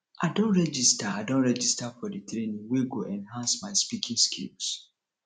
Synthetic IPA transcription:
aɪdõntɹɛd͡ʒistaadõnɹɛd͡ʒistafɔditɾenĩŋweɡoʔɛ̃nɦãnsmaɪspikʰĩŋskʰḭls

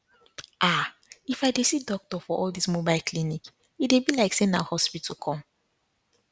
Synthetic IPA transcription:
ʔa | ifaɪdesidɔk̚tɔfɔʔɔlˠd̪ismobaɪlkʰlinik | it̚debilaɪksẽnaʊhɔspitʰəkʰɔ̃m

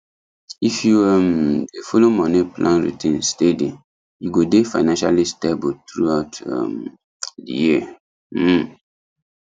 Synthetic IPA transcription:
ifjuɛmdefolomɔniplãnɹḭtĩnstedĩ | juɡodefaɪnãnʃa̰listebutɹuaʊtɛ̰m | dḭjiə

